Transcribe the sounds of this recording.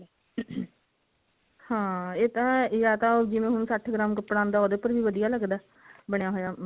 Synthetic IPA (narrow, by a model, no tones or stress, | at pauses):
hãːeːt̪ãːjaːt̪ãːd͡ʒɪʋẽːɦʊñːsəʈʰɡɾãːmkəpːɽãːnd̪aːoːd̪eːpəɾʋiːʋəd̪ijaːləɡd̪aː | bəɽejaːɦoːjaː